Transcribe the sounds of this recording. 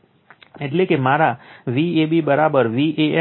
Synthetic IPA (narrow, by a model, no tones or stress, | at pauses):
ɪʈlekemaːɾaʋiːebibəɾaːbəɾʋiʔe